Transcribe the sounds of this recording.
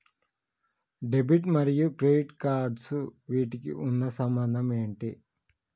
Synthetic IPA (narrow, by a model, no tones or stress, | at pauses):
ɖebiʈmɐɾijukɾeɖiʈkaːɾɖsuʋiːʈikḭʔunːɐsɐmbɐnd̪ʱɐmeːɳʈi